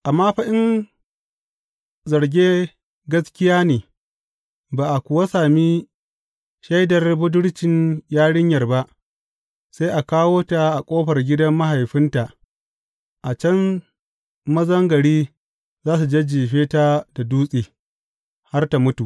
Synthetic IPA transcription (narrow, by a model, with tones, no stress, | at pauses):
ʔa˨mːaː˦ɸa˦ʔɪ˦ŋ | zɐ˨rɡʲeː˦ | ɡɐ˦skʲɪ˦jaː˦neː˨ | baː˨ʔa˨kʷʊ˨wa˦saː˨miː˦ | ʃa˦jdɐ˨rbʊ˦dʊ˦ɽt͡ʃɪ˨ɲjaː˦ɽɪ˦ɲjɐ˨rba˦ʔ | sa˦jʔa˨kaː˦woː˦ta˨ʔa˨kʷʼoː˦ɸɐ˨rɡʲɪ˦dɐ˦mːɐ˦ɦa˨jɸɪ˦nta˨ʔ | ʔa˨t͡ʃɐ˦n | mɐ˦zɐ˦ŋɡɐ˨ɽiː˦ | zaː˦s̬u˨d͡ʒe˦d͡ʒiː˨ɸeː˦taː˦da˨duː˦sʼiː˨ | ha˦rta˨mʊ˦tu˨